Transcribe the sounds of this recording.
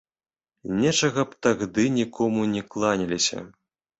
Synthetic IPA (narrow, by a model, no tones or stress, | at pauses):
nʲɛt͡ʂɐɣɐpt̪aɣd̪ɨnʲikʰɔmunʲɛklˠanʲilʲisʲɐ̰